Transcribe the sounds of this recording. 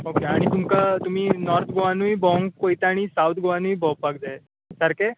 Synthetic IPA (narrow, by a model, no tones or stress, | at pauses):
okeaɽ̃it̪umkat̪um̤iːnɔɾt̪ʰɡoʋanuibʱɔŋɡkoit̪aɽ̃isawt̪ʰɡoʋanuibʱɔ̃pːaɡ̚d̪ae | səɾke